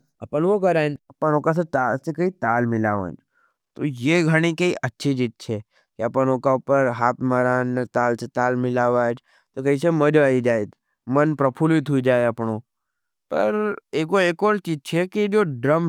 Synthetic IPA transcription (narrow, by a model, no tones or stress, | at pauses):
əpənʋokəɾajnəpənokaset̪at͡ʃekəit̪almɪlaʋã̰d͡ʒ | t̪ojeɡʱəɽ̃ikəiʔətːʃʰid͡ʒit̪̚t͡ʃʰe | keəpənokaupəɾɦap̪məɾanːət̪alt͡ʃʰet̪almɪlaʋad͡ʒ | t̪okəit͡ʃeməd͡ʒʋaid͡ʒajt̪ | mənpɾəpʰulit̪ʰuid͡ʒajapɳo | pə̰ɾekoekolt͡ʃit̪̚t͡ʃʰeked͡ʒoɖɾəm